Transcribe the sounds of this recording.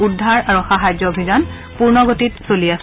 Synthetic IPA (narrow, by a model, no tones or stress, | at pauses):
udʱːaɹaɹuxaɦajd͡ʒɔobʱizan | puɹnɔɡotitsolias